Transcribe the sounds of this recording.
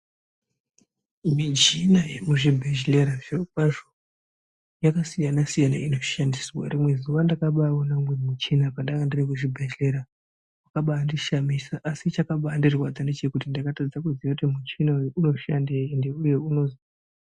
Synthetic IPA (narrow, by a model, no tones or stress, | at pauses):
mid͡ʒinajemuʐibʱed͡ʒleɾaʐepaʐo | jakasijanasijanaino̞ʃandiswa̰rimwe̞ziwandakaɓaonamwemut͡ʃinapandakandirekuʐibʱeʒle̞ɾa | wakaɓaːndiʃamisaʔasit͡ʃakaɓaːndirwad͡zande̞t͡ʃe̞kutindakatad͡zakuzijotemut͡ʃinaujeʔuno̞ʃandeindeuje̞uno̞zi